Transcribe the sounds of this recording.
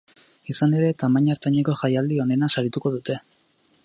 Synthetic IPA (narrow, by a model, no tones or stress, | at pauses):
isane̞ɾe̞t̪amaɲaɾt̪aɲeko̞ʝajald̪io̞ne̞nasaɾit̪uko̞ðut̪e̞